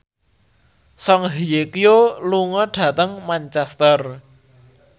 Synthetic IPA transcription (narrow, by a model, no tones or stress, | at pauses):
sɔŋɦijekijoluŋɔɖ̥ä̤t̪əŋmant͡ʃɛst̪ər